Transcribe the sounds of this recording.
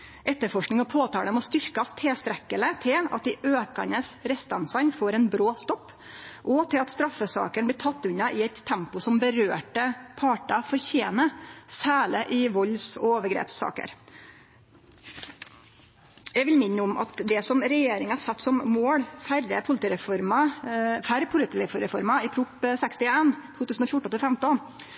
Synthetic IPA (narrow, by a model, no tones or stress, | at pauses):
ʔɛt̪ːəfɔʂknɪŋɔpʰoːt̪ʰɑːɖ̪ɛmɔst̪ʏɾkɑst̪ʰːeːst̪ɾɛkːələt̪ʰɪlɑt̪̚d̪ɪʔøːkɑ̰nəsɾɛst̪ɑnsɑnfoːɾɛnbɾoːst̪ɔpː | ʔɔt̪ʰɪlɑt̪st̪ɾɑfːəsɑ̰ːkəɳb̪ɪːt̪ʰɑt̪ːʉnːɑʔɪɛɪt̪ʰːɛmpʊsɔmbəɾøːʈəpʰɑːʈɑfɔɾçeːnəsæːləʔɪʋɔlsɔoːʋəɾɡɾḛːpsɑ̰ːkə̰ɾ | jɛʋɪlmɪnːəʊmɑ̰t̪d̪ɛsɔmɾɛjeːɾɪŋəhɑɾsɛt̪ːsɔmmoːɽfæɾəpʰʊlɪt̪iɾɛfɔɾmɑfæɾpʰʊlɪt̪ifɾɛfɔɾmɑɪpʰɾʊpsɛkst̪ɪeːnt̪ʰuːt̪ʉːsn̩ɔfjʊʈːɔnʰɪlfɛmt̪ɔn